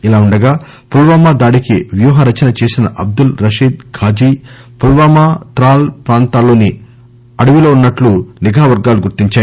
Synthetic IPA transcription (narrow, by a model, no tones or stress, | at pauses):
ilaːuɳɖɐɡaː | pulʋaːmaːd̪aːɽikiʋjuːɦɐɾɐt͡ʃɐnɐt͡ʃe̞ːsinɐʔɐb̚d̪ulɾɐʂiːd̪ɡʰʱaːd͡ʒiːpulʋaːmaːt̪ɾaːlpɾaːnt̪aːlːo̞ːni | ɐɽuʋiloːunːɐʈluniɡʱaːʋɐɾɡaːluɡuɾt̪iɲt͡ʃaːj